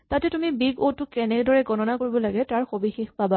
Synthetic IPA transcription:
tatɛtumibiɡotːʊkɛnɛkdɔɹɛɡɔnɔnakoɹibɔlaɡɛtaɹxobixixpaba

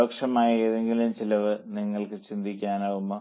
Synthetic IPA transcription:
oːkʂɐmaːjɐeðeŋɡilumt͡ɕilɐʋɨniŋːɐɭkɨt͡ɕind̪ʱikʲːaːnaːʋumːo

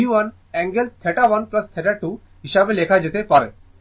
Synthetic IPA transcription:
uʋɐn | ɛ̃ːŋɡəlt̪ʰeʈaʋɐnplɐst̪ʰeʈaʈuː | ɦɪʃameleːkʰad͡ʒet̪epɐɾ

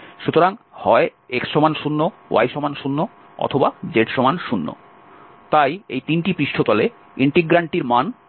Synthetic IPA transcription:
ʃut̪oɾaŋhɔeekʃomanʃunːowa̰jʃomanʃunːo | ɔ̰t̪ʰobad͡ʑeʈʃomanʃunːo̰ | t̪ajḛjt̪inʈipɾiʃʈʰot̪ɔle | iɳʈiɡɾaɳʈiɾman

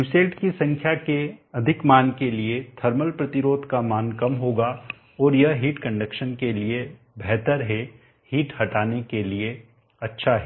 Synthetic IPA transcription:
juːseːlʈkisɐ̃ŋkʰjakeɐd̪ʱɪkmaːnkeliet̪ʰɐɾməlpɾɐt̪ɪɾoːd̪ʱkamaːnkɐmɦoːɡa | ɔːɾjɐɦɦiːʈkɐ̃ɳɖəkʃənkelie | bɛɦt̪əɾɦɛ | hiːʈhɐʈaːnekelie | ɐtːʃʰaɦɛː

